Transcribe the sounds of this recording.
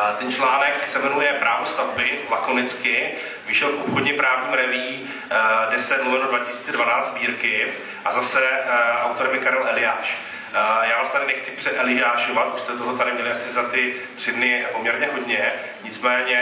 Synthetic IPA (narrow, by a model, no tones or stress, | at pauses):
t̪ɛnt͡ʃlaːnɛksɛmɛnujɛpɾʔaːvost̪avbɪlakonɪt͡skɪ | vɪʃɛlfʔupxodɲɛpɾaːvɲiːmɾɛviː | dɛsɛmluvɪldodvacɪsi̥ːt͡sɛdvanaːtt͡sd̪zbiːɾkɪ | ʔazasɛʔawt̪oɾɛmɪkaɾɛlɛlɪjaːʃ | jaːvlast̪adɾɪnɛxt͡sɪ̥pr̝̥ɛʔɛlɪjaːʃovat̪̚ust̪ɛt̪oɦɛt̪aɾɪmɲɛlɪasɪzat̪ɪ | t̪r̥ɪmnɪpomɲɛɾɲɛɦodɲɛ | ɲɪt͡smɛːɲɛ